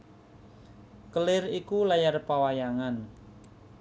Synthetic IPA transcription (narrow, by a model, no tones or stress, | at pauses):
kəlɪrikulajarpawajaŋan